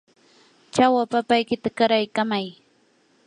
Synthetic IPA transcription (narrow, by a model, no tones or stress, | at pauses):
t͡ʃawapapajkɪt̪akaɾajkamaj